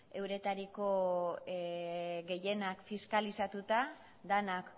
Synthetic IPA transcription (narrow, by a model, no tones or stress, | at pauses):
e̞wɾe̞t̪aɾiko̞ | ɡe̞je̞nakfiskalisat̪ut̪a | d̪anak